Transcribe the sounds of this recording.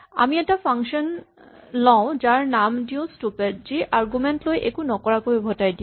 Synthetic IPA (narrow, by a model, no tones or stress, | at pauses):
a̰miɛtapʰaŋkʃɔn | lɔʊ̃zaɹnamdiʊ̃stupɛdziʔaɹɡumɛntlojʔekunɔkɔɹakojbʱɔtajdĩ